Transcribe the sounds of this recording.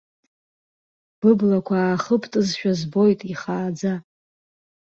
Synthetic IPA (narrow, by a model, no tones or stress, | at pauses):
b̥ɨblakʷʰaːχəpʰtʼɨzʃᶣazbo̞jtʼiχaːd͡za